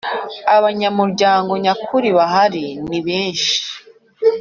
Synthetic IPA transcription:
aβaɲamuɾɟaːŋɡo̞ɲakʰuɾiβaɦaɾiniβeːnʃi̥

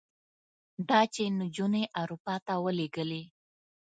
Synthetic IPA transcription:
d̪ɑt͡ʃenud͡ʒuneʔaɾupɑt̪awəleɡəle

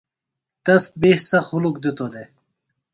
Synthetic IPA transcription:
t̪ɐst̪̚behsɐxulukd̪ut̪od̪e

